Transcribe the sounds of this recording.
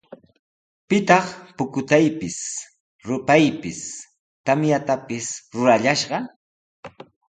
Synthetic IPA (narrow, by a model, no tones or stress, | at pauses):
pɪt̪ɑχpʊkʊt̪ajpɪs | ɾʊpajpɪs | t̪amjat̪apɪsɾʊɾaʎaʃɢɑ